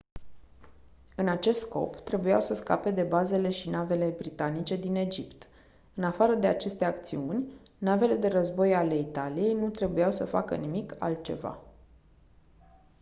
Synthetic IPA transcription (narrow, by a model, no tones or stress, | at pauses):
ɨnat͡ʃe̞st̪sko̞̰pt̪ɾe̞bujawsəska̰pe̞d̪e̞baze̞le̞ʃinave̞le̞bɾit̪anit͡ʃe̞d̪ine̞d͡ʒipt̪ | ɨnafaɾəd̪e̞at͡ʃe̞st̪e̞akt̪siunʲ | nave̞le̞d̪e̞ɾəzbo̞jale̞it̪alije̞jnut̪ɾe̞bujawsəfakə̰nimika̰lt̪̚t͡ʃe̞va̰